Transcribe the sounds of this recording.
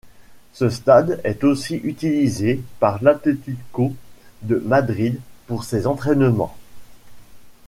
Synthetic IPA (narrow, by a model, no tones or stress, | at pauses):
səst̪ad̪ɛt̪osiʔyt̪ilizepaʁlãt̪it̪yd̪kod̪əmad̪ʁid̪puʁsezɑ̃t̪χɛnəmɑ̰̃